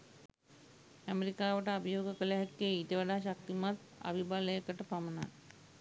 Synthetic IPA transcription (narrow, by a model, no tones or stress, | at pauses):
æmeɾikaːʋəʈəɐbʱijoːɡəkəleɦakːeit̪eʋɐɖaʃak̚t̪imat̪ | a̰bʱibaləjəkəʈəpamɐna̰